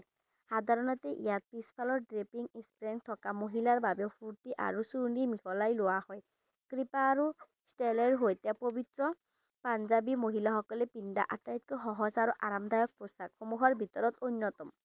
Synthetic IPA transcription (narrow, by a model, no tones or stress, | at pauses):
xad̪ʱaɹɔnɔt̪ɛʔḭjat̚pispʰalɔɹdɹepiŋispɹɛŋt̪ʰɔkamoɦilaɹbabɛʊpʰuɹtiʔa̰ɹusuɹnimixɔlajlʊwahɔj | kɹipaːɹu | stelɛɹɦojt̪apobit̪ɹɔ | panzabimoɦilaxɔkɔlɛpind̪a̰ʔatajt̚kɔxɔɦɔsaɹuʔaɹamd̪ʱajɔk̚pɹosakxomuɦɔɹbʱit̪ɔɹɔt̪onːɔt̪ɔm